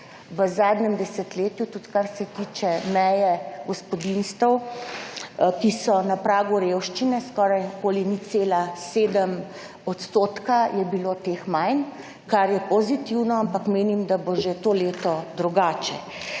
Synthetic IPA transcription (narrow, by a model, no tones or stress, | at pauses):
ʋəzaːd̪ɲɛmd̪ɛsɛt̪leːt̪jut̪ut̪kaɾsɛt̪iːt͡ʃɛmɛjɛɡɔspɔd̪inst̪əw | kisɔnapɾaːɡuɾewʃt͡ʃinɛskɔːɾajkoːliniseːlaseːd̪əm | ɔt̪st̪oːt̪kajɛbilot̪exmajn | kaɾjɛpɔzit̪iwnɔampakmeːnimd̪aboʒet̪oːleːt̪ɔd̪ɾuɡaːt͡ʃɛ